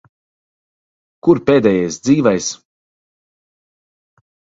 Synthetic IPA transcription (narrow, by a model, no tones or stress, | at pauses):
kuɾpeːd̪ɛjɛjsd̪ziːvɛjs